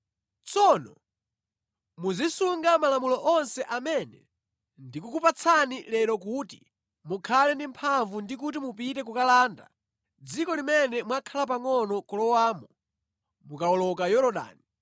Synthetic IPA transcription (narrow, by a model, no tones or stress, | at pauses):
t͡sɔnɔ̰ | muzisuŋɡamalamulɔʔɔnsɛʔamɛnɛ | ndikukupat͡sʰanilɛɾɔk̬uti | mukʰalɛndimpʰaɱvundik̬ut̬imupitɛk̬ukalaːnda̰ | d͡zikɔlimɛnɛmwakʰalap̬aŋɔnɔkɔlɔwaːmu | mukaɔlɔkajɔɾɔɗa̰ːni